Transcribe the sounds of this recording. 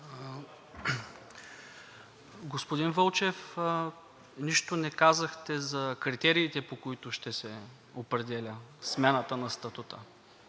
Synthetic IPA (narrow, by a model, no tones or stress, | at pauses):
ɡospod̪invɤlˠt͡ʃɛf | niʃt̪onɛkazɐxt̪ɛzɐkɾit̪ɛɾiːt̪ɛpokoit̪ʊʃt̪ɛsɛ | opɾɛd̪ɛlʲəsmɛnət̪ənɐst̪ɐt̪ut̪ə